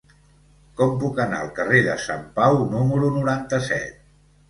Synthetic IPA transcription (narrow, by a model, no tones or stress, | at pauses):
kɔmpukəna̰əlˠkəreðəsa̰mpawnuməɾunuɾant̪əsɛ̰t̪̚